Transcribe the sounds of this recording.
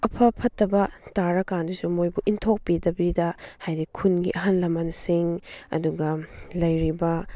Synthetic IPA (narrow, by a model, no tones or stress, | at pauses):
ɐpʰɐpʰɐtːɐbɐtaɾɐkandisumojbuʔintʰok̚pidɐbidɐhajɾikʰunɡḭʔɐɦanlɐmɐnsiŋɐ̰duɡɐlɐjɾibɐ